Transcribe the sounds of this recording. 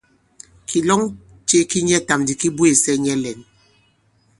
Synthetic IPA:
kʰi˨lɔ˦ŋ | t͡ʃe˦ki˦ɲɛ˦ta˨mdi˨ki˦bu˦e˨sɛ˦ɲɛ˦lɛ˨n

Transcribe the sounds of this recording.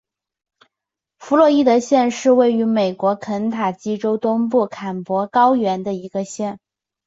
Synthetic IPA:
fu˧˥lwɔ˥˧i˥˩d̪ə˨ɕjɛ˥˧nʂɻ̩˥˧we˥˩ɪy˧˥me˨˩ɪkwɔ˧˥kʰə˧˥nt̪ʰa˨˩t͡ɕi˥ʈ͡ʂo˥ʊt̪ʊ˥ŋp̬u˥˩kʰa˨˩npwɔ˧˥kɑ˥ʊɥɛ˧˥nd̪ə˧i˧˥ɡə˧ɕjɛ˥˩n

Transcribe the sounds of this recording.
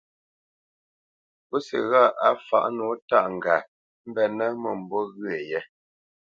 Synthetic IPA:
po˦sɛ̰˨ɣa˦˨ʔa˦fa̰˨ʔnɔ˨˦ta˦ʔŋ̩˨ɡa˨ | m̩˦bɛ˦˨nə˦mə˨m̩˨bɔ˦ɣɰe˨jɛ˦

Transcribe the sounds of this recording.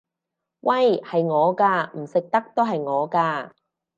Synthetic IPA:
wʔɐ˥jhɐ˨jŋɔː˨˧kaː˧m̩˨˩sɪ˨k̚t̪ɐ˥k̚t̪o˥wɦɐ˨jŋɔː˨˧kaː˧

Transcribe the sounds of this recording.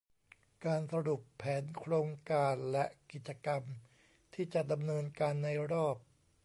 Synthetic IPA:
kaː˧nsa˧ɾu˨˩pʰːɛː˩˦nkʰɾoː˧ŋkaː˧nlɛ˦˥ʔki˨˩t̪̚t͡ɕa˧ka˧m | t̪ʰiː˥˩t͡ɕa˨˩da˧mnɤː˧nkaː˧nːa˧jɾɔː˥˩p̚

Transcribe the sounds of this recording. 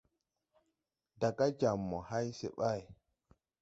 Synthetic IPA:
da˨ka˦d͡ʒa˨mːɔ˨ha˦jsḛ˦ɓa˦˨j

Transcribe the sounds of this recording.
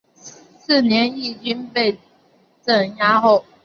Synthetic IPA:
s̩˥˨njɛ˧˦ni˥˩t͡ɕi˥npe˥˨ɪ | t͡sə˥˩nja˥xo˥˨ʊ

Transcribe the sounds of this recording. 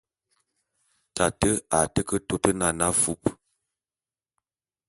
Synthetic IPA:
ta˨tə˦a˨tə˦kə˦to˦tə˦na˨na˦fu˦p

